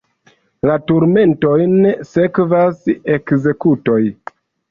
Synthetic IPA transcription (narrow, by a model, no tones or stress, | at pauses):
latuɾme̞nto̞jnese̞kvase̞kze̞kuto̞j